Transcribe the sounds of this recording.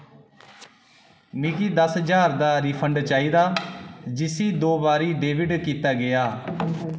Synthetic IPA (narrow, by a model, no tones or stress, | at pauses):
mɪkiːd̪əsd͡ʒaːɾd̪aːɾiːpʰəɳɖt͡ʃaːiːd̪aːd͡ʒɪsiːd̪oːbaːɾiːɖeːʋɪɖkiːt̪aːɡɪaː